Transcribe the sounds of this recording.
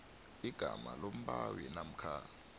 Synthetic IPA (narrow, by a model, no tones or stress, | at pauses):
iɡ̥ʱamalom̩ɓawinam̩kʰaː